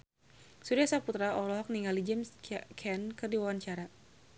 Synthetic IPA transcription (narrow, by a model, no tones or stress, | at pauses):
suɾiasaput̪ɾaɔlɔɦɔk̚niŋalid͡ʒɛmskʰɛnkɨrdiwawaɲt͡ʃaɾa